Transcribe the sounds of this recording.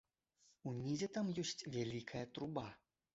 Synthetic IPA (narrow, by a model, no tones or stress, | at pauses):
unʲizʲɛt̪amjɔsʲt͡sʲvʲalʲikʰɐjɐt̪ɾuba